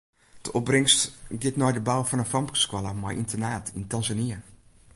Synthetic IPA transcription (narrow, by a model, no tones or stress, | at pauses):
d̥əʔɔp̚brɪŋstɡɪtnɔjdəbawfɔnənfampkskwaləmajʔḭntʰənaːtʰintanzaniə